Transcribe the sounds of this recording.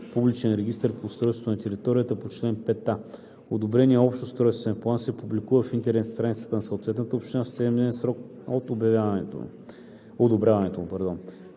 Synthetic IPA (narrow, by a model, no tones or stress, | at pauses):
publit͡ʃɛnɾɛɡ̟ist̪əɾpoːst̪ɾɔjst̪vonɐt̪ɛɾit̪ɔɾijət̪əpot͡ʃlɛnpɛt̪ːa | od̪obɾɛniɛɔpʃt̪ost̪ɾɔjst̪vɛnplˠansɛpublikuvəfint̪ɛɾɛst̪ɾanit̪sə̥t̪ənɐsɐot̪vɛt̪nət̪əopʃt̪inafsɛd̪miɛnsɾɔk | ot̪objɐvat̪ | od̪obɾʲjavɐnɛt̪omupɐɾd̪on